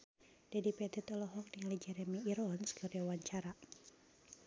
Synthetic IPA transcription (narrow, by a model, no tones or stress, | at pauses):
d̥adipɛt̪ɛt̪ɔlɔɦɔk̚diŋalid͡ʒɛɾɛmiːɾɔnskəriawaɲt͡ʃaɾa